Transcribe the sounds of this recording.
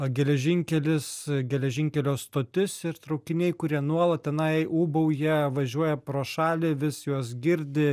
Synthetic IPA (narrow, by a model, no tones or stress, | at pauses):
ɡʲɛlʲɛʒʲɪŋʲkʲɛlʲɪsɡʲɛlʲɛʒʲɪŋʲkʲɛlʲoːst̪oːt̪ʲɪsɪɾt̪ɾɐʊkʲɪnʲɛɪkʊɾʲiɛnuɔlˠɐt̪̚t̪ʲɛnɐɪuːbɐʊjiɛʋɐʒʲuɔjɛpɾoːʃɑːlʲɪʋʲɪsjuɔsɡʲɪɾʲd̪ʲɪ